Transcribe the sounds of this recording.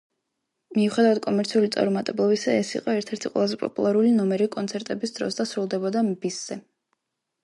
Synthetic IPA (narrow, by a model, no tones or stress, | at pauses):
miuχɛd̪avad̪̚kʼɔmɛɾt̪sʰiulit̪sʼa̰ɾumat̪ʼɛblˠɔbisaɛsḭqʼɔɛɾt̪ʰɛɾt̪ʰiqʼwɛ̰lˠazɛpʼɔ̰pʼulˠaɾulinɔmɛɾikʼɔnt̪sʰɛɾt̪ʼɛbisd̪ɾɔ̰sd̪asɾulˠd̪ɛbɔd̪ambisz̥ɛ